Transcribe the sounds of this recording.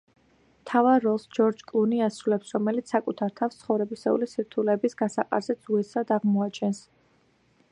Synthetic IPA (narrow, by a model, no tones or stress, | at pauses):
mt̪ʰavaɾɔlˠsd͡ʒɔɾd͡ʒkʼlˠuniasɾulɛpsɾɔmɛlit̪ssːakʼut̪ʰaɾt̪ʰafst̪sʰχɔvɾɛbisɛṵlisiɾt̪ʰulɛbisɡasaqʼa̰ɾzɛd̪z̥uɛsad̪aʁmɔat͡ʃʰɛns